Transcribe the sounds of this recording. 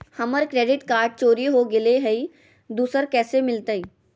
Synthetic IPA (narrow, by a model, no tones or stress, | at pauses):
hɐməɾkɾeːɖɪʈkaːɾɖ̚t͡ʃoːɾiɦoɡɪleɦɛi | d̪uːsəɾkɛːsemɪlt̪əiː